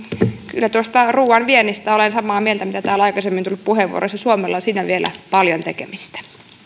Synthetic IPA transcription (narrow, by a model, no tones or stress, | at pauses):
kylːæt̪uost̪ɑruːɑnʋienːist̪æolensɑmɑːmielt̪æmit̪æt̪æːlɑikɑsemːint̪ulppuheʋṵo̰ɾosɑsuomelːɑsiːnæʋielʔæ̰pɑljont̪ekḛmist̪æ̥